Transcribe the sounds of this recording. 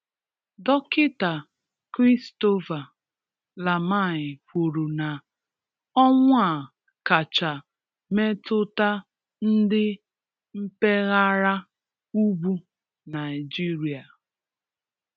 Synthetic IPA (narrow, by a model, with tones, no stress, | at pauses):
dɔ˦kɪ˦ta˨ | kɾi˦sto˦va˨ | la˨ma˦˨ɲɪ˨kʷo˨ɾu˨na˨ | ɔ˦ŋʷ˦a˨ | ka˨t͡ʃa˨ | me˦tʊ˦ta˦ | n̩˦dɪ˦ | m̩˦pe˦ɣa˦ɾa˦ | u˦bu˦ | na˨jɪ˨d͡ʒi˦ɾi˨a˨